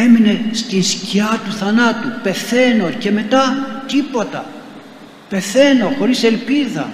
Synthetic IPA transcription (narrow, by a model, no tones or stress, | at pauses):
emine̞st̪insciɐt̪uθɐnɐt̪upe̞θe̞no̞ce̞me̞t̪ɐt̪ipo̞t̪ɐ | pe̞θe̞no̞xo̞ɾise̞lpiðɐ̰